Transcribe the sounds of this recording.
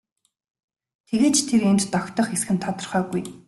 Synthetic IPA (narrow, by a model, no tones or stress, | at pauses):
t̪ʰeɣeːt͡ɕt̪ʰeɾent͡ɕt̪ɔkʲt̪ɞ̆χesxɘ̆nt̪ʰɔt̪ɞ̆rχœːɣuj